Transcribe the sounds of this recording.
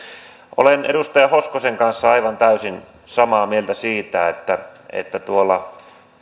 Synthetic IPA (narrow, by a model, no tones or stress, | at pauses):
ʔo̰lenʔḛɾust̪ɑjɑhoskoseŋkɑnsːɑɑiʋɑnt̪æysin | sɑmɑːmielt̪æsiːt̪æet̪ːæḛt̪ːæt̪uolːˑɑ